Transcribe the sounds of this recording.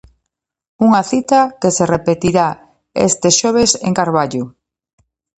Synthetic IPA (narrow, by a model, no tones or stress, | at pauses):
uŋaθit̪akeserepet̪iɾa | ḛst̪eʃoβ̞esḛŋkaɾβaʎʊ